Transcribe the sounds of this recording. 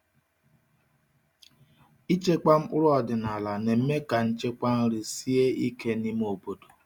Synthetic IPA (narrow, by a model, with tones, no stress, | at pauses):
i˦t͡ʃe˦k͡pa˦m̩˦ʊ˦ɾɔ˨dɪ˨na˨la˨ne˨m̩˦me˦ka˨n̩˦t͡ʃe˦kʷa˦n̩˦ɾi˨si˦e˦i˦ke˦ni˦m˦o˨bo˨do˨